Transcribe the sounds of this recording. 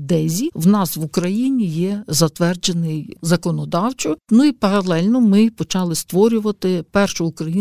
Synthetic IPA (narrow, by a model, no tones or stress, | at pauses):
d̪ɛzʲiwnɑsʋʊkɾɐjinʲijɛzɐt̪ʋɛrd͡ʒenɪjzɐkɔnɔd̪ɑwt͡ʃɪknuipɐɾɐlˠɛlʲnɔmɪpɔt͡ʃɑlˠɪst̪ʋɔɾʲʊʋɐt̪ɪpɛrʃʊʊkɾɐji